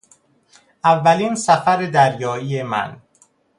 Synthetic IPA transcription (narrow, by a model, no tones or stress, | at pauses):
ʔævːæliːnsæfæɾed̪æɾjɒːiːje̞mæ̰n